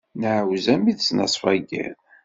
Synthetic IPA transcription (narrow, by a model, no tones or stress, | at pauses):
nʕwzæmiðsnɑ̰sˤfæɡæ̰n